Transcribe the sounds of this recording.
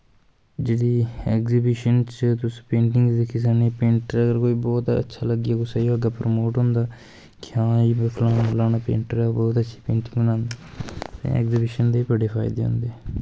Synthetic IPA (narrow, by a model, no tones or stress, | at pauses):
d͡ʒeːɽiːɛːkzɪbɪʃənt͡ʃt̪ʊsĩ̥ːpẽːɳʈɪŋɡd̪ekʰiːs̬aːneːpẽːɳʈəɾəɡəɾkoːiːbɔːt̪ə̰tːʃʰaːləɡijaːkʊsaːoəɡaːpɾəmoːʈɦʊ̃nd̪aː | kɪãːiːbepʰlaːnaːpʰlaːnaːpḛ̃ːɳʈəɾɛbɔːt̪ətːʃʰi̥ːpẽːɳʈɪ̃ŋɡbənãːnd̪aːt̪ḛ̃ɛ̰ːkzɪbɪʃənd̪eːiːpəɖeːpʰa̰ːɪd̪eːɦʊ̰ːnd̪eɛː